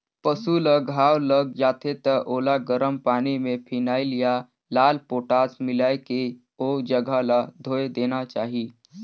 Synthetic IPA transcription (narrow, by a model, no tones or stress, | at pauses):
pəsuləɡʱaːwləɡ̚d͡ʒaːt̪ʰet̪əʔoːlaɡəɾəmpaːnimẽpʰinaːɪlija | laːlpoːʈaːsmɪlaːeke | od͡ʒəɡʱalad̪ʱoːed̪eːnat͡ʃaːɦi